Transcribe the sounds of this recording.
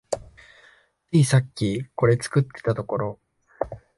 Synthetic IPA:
iːsakʲːiko̞ɾe̞t͡sɨ̥kɯ̟t̪ːe̞̥t̪at̪o̞ko̞ɾo̞

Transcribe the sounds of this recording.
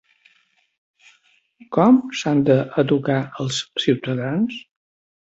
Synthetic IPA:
kɔmsand̪əʔəd̪ukaəlˠssiwt̪əðans

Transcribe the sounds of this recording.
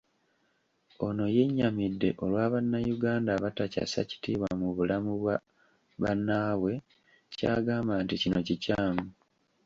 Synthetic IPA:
o̞no̞je̞ɲːamidːe̞ʔo̞lwaːβanːajuɡaːndaβataca̰sa̰ci̥tiːβwamuβulamuβwa | βa̰nːaːwe̞ | ca̰ːɡaːmbanticino̞cicaːmu

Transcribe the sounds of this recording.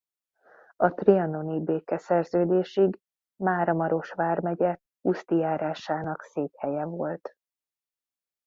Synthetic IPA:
ɒt̪riɒnonibeːkɛsɛrzøːd̪eːʃiɡ | maːɾɒmɒɾo̞ʃʋaːrmɛɟɛ | ust̪ijaːɾaːʃaːnɒkseːk̪hɛjɛvo̞lt̪

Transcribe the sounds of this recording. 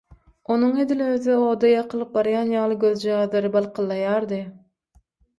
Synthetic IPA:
o̞nuŋe̞d̪iløðo̞ːd̪ɑjɑqʰɯlˠɯp̚bɑɾjɑːnjɑːlˠɯɡʲøðd͡ʒɑɑðˠɑɾɯbɑlˠqʰɯlˠːɑjɑːɾd̪ɯ

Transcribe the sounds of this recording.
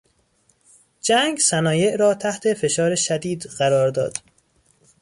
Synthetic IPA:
d͡ʒæŋɡsænɒːje̞ʔɾɒːt̪ʰæht̪ʰe̞fe̞ʃɒːɾeʃæd̪iːd̪ɢ̥æɾɒːɾd̪ɒ̰ːd̪̥

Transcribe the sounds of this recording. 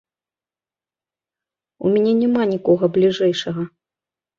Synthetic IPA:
ṵmʲɛnʲɛnʲɛmanʲikɔɣɐblʲiʐɛjʂɐɣɐ

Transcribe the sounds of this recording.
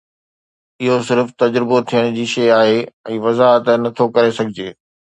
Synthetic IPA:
ɪɦosɪɾft̪ɐd͡ʑɾɪbot̪ʰijəɽ̃d͡ʑiːʃɐjaːɦeɛ̃ːʋɐzaːɦət̪nɐt̪ʰokɐɾesɐɡʱɪd͡ʑeː

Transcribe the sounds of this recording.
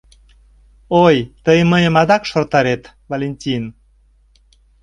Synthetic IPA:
ojt̪əjməjəmɑd̪ɑkʃort̪ɑɾet̪ | volʲenʲtʲin

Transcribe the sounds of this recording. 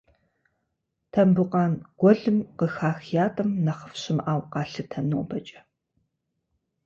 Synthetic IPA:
tʰɐmbɨqʼɑːnɡ̥ʷɔɮɨmqəxaːxjaːtʼɐmnɐχə̥fɕɪmaːwqɑːɬɨtʰɐnoːbɐt͡ʃʼɐ̥

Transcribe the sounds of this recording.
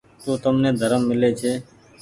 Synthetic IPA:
t̪ũːt̪əmneːd̪ʱəɾəmːɪleːt͡ʃʰeː

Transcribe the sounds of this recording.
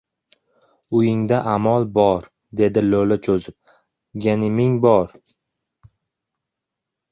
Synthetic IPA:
ʊjɪŋd̪aʔamɒlˠbɒɾ | d̪e̞d̪ɪlolat͡ʃʰozɪp̚ | ɡʲanɪmɪŋbɒɾ

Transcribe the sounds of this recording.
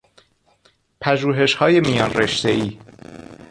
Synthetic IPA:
pʰæʒuːɦe̞ʃhɒːje̞mijɒːnreʃt̪e̞iː

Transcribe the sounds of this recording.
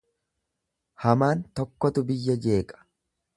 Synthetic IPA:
hɐmaːnt̪ɔkːɔt̪ʊbɪjːɐd͡ʒe̞ːkʼɐ̥

